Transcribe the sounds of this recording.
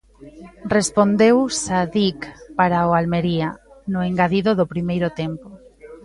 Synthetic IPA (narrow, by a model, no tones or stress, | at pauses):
respond̪ewsaðikpaɾaoalmeɾianʊeŋɡaðiðoðopɾimejɾʊt̪empo